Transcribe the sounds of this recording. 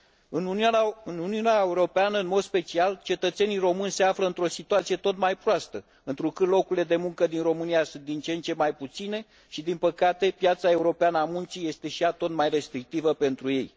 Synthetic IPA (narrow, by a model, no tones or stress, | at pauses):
ɨnuɨnuniuneaeuɾo̞peanəɨnmo̞d̪spe̞t͡ʃialt͡ʃe̞t̪ət̪se̞nijro̞mɨnʲse̞afləɨnt̪ɾo̞sit̪uat̪sije̞t̪o̞t̪majpɾoast̪ə | ɨnt̪ɾukɨt̪lo̞kuɾile̞d̪e̞muŋkəd̪inro̞mɨnijasunt̪d̪int͡ʃe̞nt͡ʃe̞majput̪sine̞ | ʃid̪inpəkat̪e̞pjat̪sae̞uɾo̞peanəamunt͡ʃije̞st̪e̞ʃijat̪o̞t̪majre̞st̪ɾik̚t̪ivəpe̞nt̪ɾuje̞j